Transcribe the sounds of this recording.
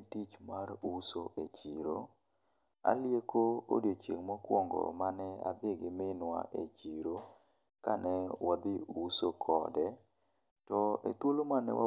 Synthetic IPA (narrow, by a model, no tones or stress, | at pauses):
tit͡ʃmarusoʔet͡ʃiɾo | a̰ljekoo̰djot͡ʃjeŋmɔkwɔŋɡɔ̰manɛa̰beɡɪmɪnwa̰ʔet͡ʃiɾo | kanɛwad̪ɪusokʰɔ̰dɛ | tɔet̪wolomanɛ̰wa̰